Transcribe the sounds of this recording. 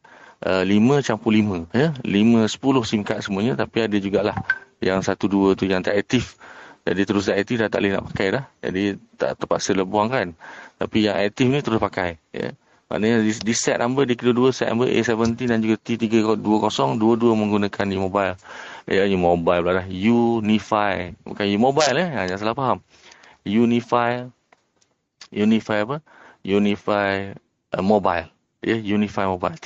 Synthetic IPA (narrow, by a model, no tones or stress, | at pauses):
əlimə̃t͡ʃampulimə̃jəlimə̃sə̥pulʊhsimkat̪̚səmuəɲət̪apiadəd͡ʒuɡaʔlahjaŋsat̪uduət̪ujaŋt̪aʔɛk̚t̪ifd͡ʒa̰dit̪əɾʊs̬d̪aʔɛk̚t̪ifdat̪a̰ʔlɪhna̰ʔpakajlahd͡ʒa̰dit̪a̰ʔt̪əmpat̪̚sələbuaŋkant̪a̰pijaŋʔɛ̰k̚t̪ifnĩt̪əɾʊspakajjə̰ | ma̰ʔnəɲadidisɛt̪̚nambədikiloduəsɛt̪̚na̰mbəʔḛsɛvənt̪inand͡ʒuɡat̪it̪iɡəɡɔʔ̚duəkɔsɔŋduəduəmə̃ŋɡunakʰandimobajlʔəjumobajllaʔlahjunifajma̰kanjumobajləjaŋɲãs̬alahpaɦam | junifaj | junifajapə | junifaj | ʔəmoba̰jl | jəjunifajmobajl